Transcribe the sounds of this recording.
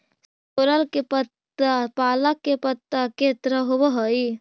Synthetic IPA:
s | oɾəlkepət̪ | əpaːləkːepət̪ːəket̪ɾəɦobəɦəi

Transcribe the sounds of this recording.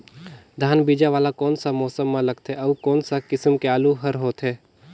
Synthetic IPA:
d̪ʱaːnbiːd͡ʒaʋaːlakɔːnsamɔːsəmːãlɐɡ̚t̪ɦɛɐːkɔːnsakɪsəmkeaːluɦɐɾɦoːt̪ɦɛː

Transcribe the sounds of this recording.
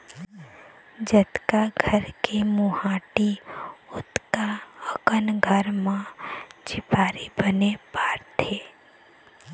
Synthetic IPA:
d͡ʒət̪kaɡʱəɾkemuhaːʈiʊt̪kaəkənɡʱəɾmãd͡ʒɪpaːɾibənepaːɾt̪ʰeː

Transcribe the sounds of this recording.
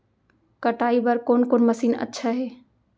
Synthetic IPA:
kəʈaːibəɾkoːnkoːnməsiːnə̰tːʃʰaɦeː

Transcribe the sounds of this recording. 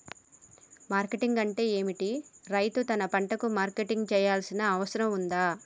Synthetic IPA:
maːɾkeʈiŋɡɐɳʈe̞ːeːmiʈiɾɐjt̪ut̪ɐnɐpɐɳʈɐkumaːɾkeʈiŋɡt͡ʃɛːjaːlsinɐːʋɐsɐɾɐmund̪aː

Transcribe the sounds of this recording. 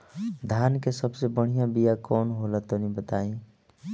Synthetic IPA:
d̪ʱankesəbsebəɽ̤ijãbijakɔːnɦolət̪onibət̪aĩ

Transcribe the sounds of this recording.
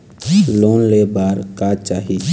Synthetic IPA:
loːnlebaːɾkat͡ʃaːɦi

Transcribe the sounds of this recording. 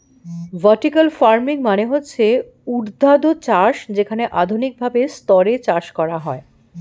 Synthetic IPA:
vaʈikalfaɾmiŋmaneɦotːɕʰe | uɾd̪ʱad̪ot͡ɕaʃd͡ʑekʰaneʔad̪ʱunik̚bʱabest̪ɔɾet͡ɕaʃkɔɾaɦɔe

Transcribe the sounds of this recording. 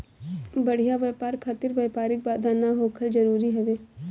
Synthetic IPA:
bɐɽ̤ijaʋepaːɾkʰat̪ɪɾʋɐːpaːɾɪk̚baːd̪ʱanaɦoːkʰəld͡ʒɐɾuːɾiɦɐʋeː

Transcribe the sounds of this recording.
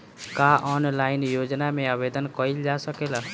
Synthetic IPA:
kaʔɔnlainjod͡ʒnameabed̪ənkəild͡ʒasəkela

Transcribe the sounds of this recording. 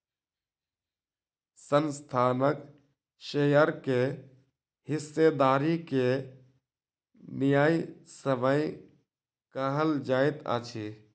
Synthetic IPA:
sənst̪ʰaːnək | ʃeːjəɾke | ɦɪsːed̪aːɾike | nɪjaːisəməj | kəɦəld͡ʒaːɪt̪a̰ːt͡ʃʰi

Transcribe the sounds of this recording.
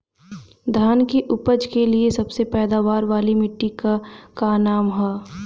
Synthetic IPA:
d̪ʱaːnkiʔʊpəd͡ʒkeliesɐbsepɛːd̪aːʋaːɾʋaːlimɪʈːikakaːnaːmɦɛː

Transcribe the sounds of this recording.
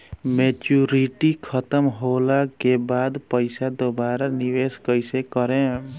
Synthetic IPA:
met͡ʃuɾiʈikʰət̪əmɦolakebad̪pəɪsad̪obaɾaniʋeskəjsekəɾẽ

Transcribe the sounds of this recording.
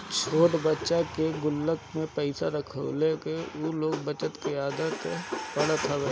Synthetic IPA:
t͡ʃʰoːʈbətːʃakeɡʊlːəkmẽpɛɪsaɾəkʰə̰lekeoloːɡbət͡ʃət̪keaːd̪ək̪pɐɽat̪ʰaʋe

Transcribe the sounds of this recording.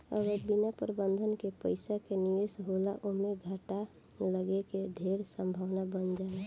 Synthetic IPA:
ə̰ɡəɾbinapɾəbənd̪ʱənkepəɪsakenijesɦolaʔomeɡʱəʈa | ləɡeked̪ʱeɾsəmbʱawnabənd͡ʒalɛ

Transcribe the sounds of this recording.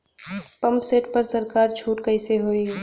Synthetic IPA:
pɐ̃mpseːʈpɐɾsɐɾkaːɾt͡ʃʰuːʈkɐɪseɦoːiː

